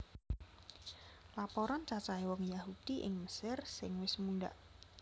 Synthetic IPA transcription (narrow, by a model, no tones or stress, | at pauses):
lapɔɾɔnt͡ʃat͡ʃaiwɔŋjaɦud̥iʔɪ̰ŋməsɪrsɪŋwɪsmunɖa̰ʔ